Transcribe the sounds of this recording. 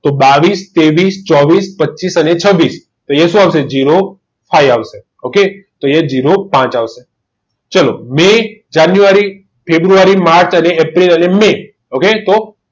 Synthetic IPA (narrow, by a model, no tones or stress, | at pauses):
t̪obaʋist̪eʋist͡ʃɔʋispətːt͡ʃisənet͡ʃʰəʋːis | t̪oeʃũaʋʃed͡ʒiɾo | fajaʋʃe | oket̪oed͡ʒiɾopãt͡ʃaʋʃe | t͡ʃəlo̰med͡ʒanjuaɾi | fʰebɾuaɾimaɾt͡ʃəneepɾiləneme | oket̪o